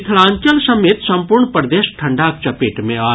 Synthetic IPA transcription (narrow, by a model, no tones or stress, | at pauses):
t̪ʰlãːɲt͡ʃəlsɐmeːt̪sɐ̃mpuɾɳpɾd̪eːʃʈʰə̃ɳɖaːk̚t͡ʃɐpeːʈmẽaː